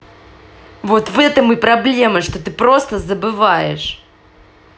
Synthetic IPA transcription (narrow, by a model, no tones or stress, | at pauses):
vo̞t̪vɛt̪əmɨpɾɐblʲe̞məʂt̪ot̪ɨpɾo̞st̪əzəbɨvajɪ̰ʂ